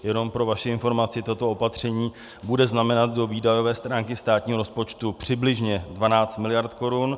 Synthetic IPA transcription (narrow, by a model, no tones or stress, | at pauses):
jɛno̞mpɾo̞vaʃɪɪnfo̞ɾmat͡sɪt̪ot̪oopat̪r̝̥ɛɲiː | budɛznamɛnat̪̚do̞viːdajo̞vɛːst̪ɾaːŋkɪst̪aːt̪ɲiːɦoɾo̞spo̞t͡ʃt̪upr̝̥ɪblɪʒɲɛdvanaːt͡st̪mɪlɪjaɾt̪ko̞ɾun